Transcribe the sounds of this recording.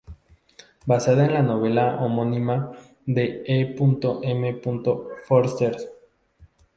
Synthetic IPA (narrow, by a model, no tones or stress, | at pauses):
basaðaenlano̞βe̞laomonĩma | ðeepunt̪oʔeme̞punt̪o̞foɾst̪eɾs